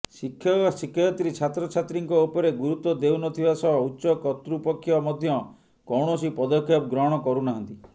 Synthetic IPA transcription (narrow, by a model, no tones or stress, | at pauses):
sikʰjɔsikʰjɔjɔt̪ɾit͡ʃʰat̪ɾɔt͡ʃʰat̪ɾiŋkɔupɔɾeɡuɾut̪wɔd̪ewnɔt̪ʰibasɔbɔutːʃɔkɔt̪ɾupɔkʰːjɔmɔd̪ʱjɔ | kɔwɳ̃ɔsipɔd̪ɔkʰjɔp̚ɡɾɔɦɔɽ̃ɔkɔɾunaɦɔnt̪i